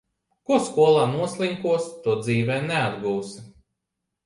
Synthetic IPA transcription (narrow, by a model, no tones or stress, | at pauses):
kuɔskuɔlˠaːnuɔslˠiŋkuɔst̪uɔd̪ziːvɛːnɛad̪ɡuːs